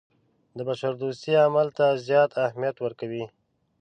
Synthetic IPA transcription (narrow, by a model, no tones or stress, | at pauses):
d̪əbaʃaɾd̪ust̪eamalt̪azjɑt̪ahmijat̪wəɾkawi